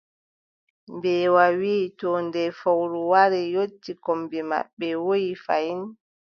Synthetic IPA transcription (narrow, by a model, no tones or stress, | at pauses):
mbɛːwawiːtɔndɛfawɾuwaɾɛjotːikombɛma̰ɓːɛwojifajin